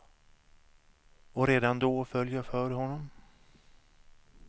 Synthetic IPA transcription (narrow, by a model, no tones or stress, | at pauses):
ɔɾeːd̪and̪ofœljɑfœːɾɦɔnːɔm